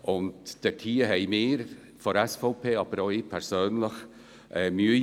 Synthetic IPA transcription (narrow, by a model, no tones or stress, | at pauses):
ʔʊntd̥ɛtʰiːəɦɛɪmɪːɾ | fɔɾɛsfoʊpʰeːɑːb̥əɾɔɪpʰɛɾsøːnləx | ʔɛmyː